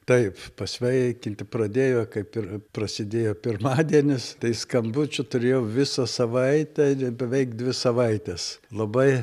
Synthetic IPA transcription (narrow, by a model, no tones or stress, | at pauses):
t̪ɐɪppɐsʲʋʲɛɪkʲɪnʲt̪ʲɪprɐd̪ʲeːjoːkɐɪpɪrprɐsʲɪd̪ʲeːjoːpʲɪrmɑːd̪ʲiɛnʲɪst̪ɐɪskɐmbʊt͡ʃʲʊt̪ʊɾʲeːjɛʊʋʲɪsɐsɐʋɐɪt̪ʲɛbʲɛʋʲɛɪkd̪ʲʋʲɪsɐʋɐɪt̪ʲɛslˠɐbɐɪ